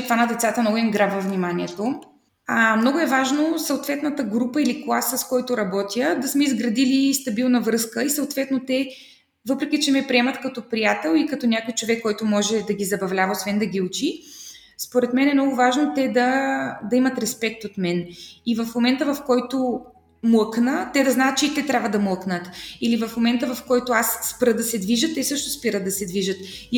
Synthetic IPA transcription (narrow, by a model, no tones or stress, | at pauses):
t̪vanɐd̪ɛt̪sat̪əmnɔɡʊɛŋɡɾabvɐvnimanʲiɛt̪o | amnɔɡʊɛvaʒnosɐot̪vɛt̪nɐt̪əɡɾupəiliklˠasəskɔjt̪ʊɾɐbɔt̪jəd̪ɐsmɛizɡɾɐd̪ilist̪ɐbilˠnɐvɾɤskəisɐot̪vɛt̪not̪ɛ | vɤpɾɛkʲit͡ʃɛmɛpɾiɛmɐt̪kɐt̪ɔpɾijat̪ɛlˠikɐt̪ɔnʲakojt͡ʃovɛkːɔjt̪ʊmɔʒɛd̪ɐɡʲizɐbɐvlʲavɐosvɛnd̪ɐɡʲiut͡ʃi | spoɾɛt̪mɛnɛmnɔɡʊvaʒnot̪ɛd̪ɐd̪ɐimɐt̪ɾɛspɛk̚t̪ot̪mɛnivɐfmomɛnt̪əvɐfkɔjt̪o | muəknət̪ɛd̪ɐznaːt̪̚t͡ʃɛit̪ɛt̪ɾʲabvəd̪ɐmuəknət̪ilivɐfmomɛnt̪əvɐfkɔjt̪ʊasːpɾɤd̪ɐsɛd̪viʒət̪ːɛsɤʃt̪ospiɾəd̪ɐsɛd̪viʒət̪